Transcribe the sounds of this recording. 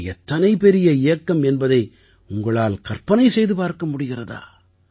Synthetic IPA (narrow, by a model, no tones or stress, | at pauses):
ɛt̪ːɐnɐɪpɛɾɪjɐɪjɐkːɐmɛnbɐðɐɪ | ʊŋɡɐɭaːlkɐrpɐnɐɪsɛjðɯpaːɾkɐmʊɽɪɣɪrɐða̰ː